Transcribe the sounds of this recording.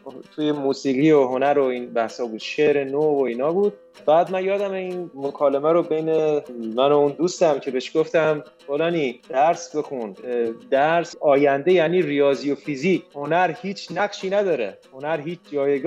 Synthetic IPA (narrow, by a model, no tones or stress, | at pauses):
t̪ʰujemuːsiːɣiːoɦo̞næɾoiːnbæhshɒːbuːd̪̥ʃeɾenovoiːnɒːbuːd̪̥̚ | bæːd̪mænjɒːd̪æmeinmokʰɒːlemæɾobe̞jnemænound̪uːst̪æmcʰe̞be̞ʃɡ̥oft̪æm | folɒːniːd̪̥æɾsbe̞xund̪æɾsɒːjænd̪e̞jæːniːrijɒːzijofiziːckʰho̞næɾhiːt͡ʃʰnæɢʃiːnæd̪ɒːɾḛho̞næɾɦiːt͡ʃʰd͡ʒɒːjeɡː